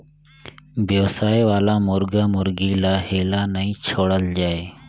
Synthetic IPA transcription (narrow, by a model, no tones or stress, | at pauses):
bʱjeʋsaːeʋaːlaːmʊɾɡaːmʊɾɡiːlaːheːlaːnəĩːt͡ʃʰoːɽəld͡ʑaːeː